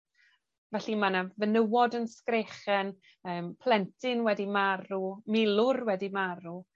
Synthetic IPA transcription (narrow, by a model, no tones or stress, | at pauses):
vɛɬimanavənəwɔdənskreχɛn | əːmpʰl̥ˠɛntʰɪnwɛdimaɾumɪlˠʊrwɛdimaɾu